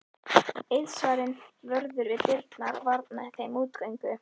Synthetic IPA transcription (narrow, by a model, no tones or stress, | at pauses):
ejðsvaɾɪnvœɾðʏɾvɪðpɪɾt̪naɾvaɾt̪naθejmuːt̪kœjŋkʏ